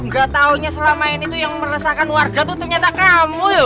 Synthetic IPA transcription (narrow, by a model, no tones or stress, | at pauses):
ŋɡat̪auɲasəlamaɪnit̪ujaŋməɾasakanwarɡat̪ut̪ərɲat̪akamut̪ʊ